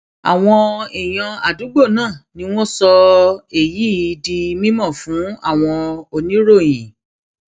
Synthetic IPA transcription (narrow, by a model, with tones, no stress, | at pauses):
a̰˨w̃ɔ̃˧e˨j̃ã˧a˨du˨˦ɡ͡bo˦˨nãː˦˨nĩ˧˦w̃ɔ̃˦sɔ˧e˨ji˨˦˨di˧mĩ˦mɔ̃˦˨fũ˨˦a̰˦˨w̃ɔ̃˧o˧nĩ˦ɾo˦˨j̃ĩ˨